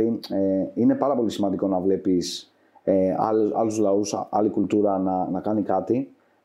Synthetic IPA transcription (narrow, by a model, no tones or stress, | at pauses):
ieine̞pɐɾɐpo̞lisimɐnd̪iko̞nɐvle̞pis | eɐ̰lɐ̰luzlɐusɐlikult̪uɾɐnɐnɐkɐnikɐt̪i